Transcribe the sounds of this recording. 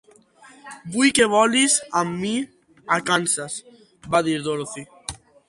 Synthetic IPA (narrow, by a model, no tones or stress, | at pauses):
bujkeβɔlizamːi | akansas | baðiɾðoɾθi